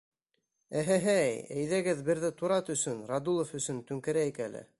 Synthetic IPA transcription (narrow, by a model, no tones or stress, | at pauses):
æɦæɦæjæ̰jðæɡɘðbɘ̆ɾðɘt̪uɾɑt̪ɵ̆sɵnɾɑd̪ulˠofɵ̆sɵ̆nt̪ɵ̆ŋkɘ̆ɾæikælɘ̰